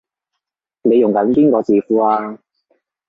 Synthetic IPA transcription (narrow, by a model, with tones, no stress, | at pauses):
ne˨˧jʊ˨˩ŋkɐ˨˦˥nkiː˥ŋkɔː˨˧t͡siː˨fuː˨˥aː˧